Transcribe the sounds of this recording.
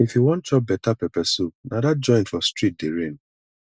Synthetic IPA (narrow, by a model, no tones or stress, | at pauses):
ifjuwɔ̃nt̚t͡ʃɔp̚bɛtapɛpɛsonʔadad͡ʒɔ̃ɪ̃nfɔstɹit̚deɹẽn